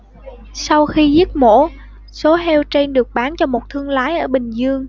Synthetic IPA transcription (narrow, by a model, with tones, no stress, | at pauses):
sa˧wxi˧zi˦˥t̚mo̰˧˥ | so˨˦ɦɛ˧wt͡ɕe˧nɗɨ˨˩ək̚ɓaː˨˦nt͡ɕɔ˧mo˨˩t̚t̪ʰɨ˧əŋlaː˨˦jʔəː˧˩ɓï˨˩ŋ̟zɨ˧əŋ